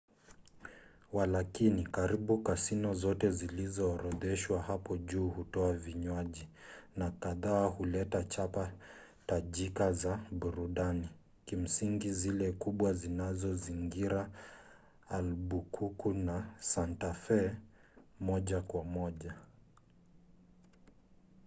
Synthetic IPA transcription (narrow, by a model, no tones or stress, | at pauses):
walakinikaɾiɓukasinɔzɔtɛzilizɔːɾɔðɛʃwahapɔʄuːhutɔaviɲwaʄinakaðaːhulɛtat͡ʃapa | taʄikazaɓuɾuɗani | kim̩siŋɡizilɛkuɓwazinazɔziŋɡiɾaː | lɓukʰukunasantafɛ | mɔʄakwamɔʄa